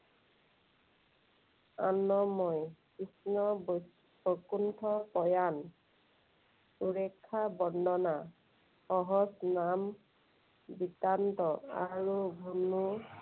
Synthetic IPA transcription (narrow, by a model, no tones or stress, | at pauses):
anɔmɔjkisnɔ | pokuntʰɔpɔjan | uɹekʰːabɔndʱɔna | xɔɦɔsnam | bitant̪ɔa̰ɹubʱunu